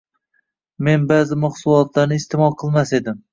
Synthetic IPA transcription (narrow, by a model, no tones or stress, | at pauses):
me̞nbazɪmɑχsʊlˠɒt̪ʰlaɾnɪst̪ɪmɒlˠqʰɨlˠmase̞d̪ɪm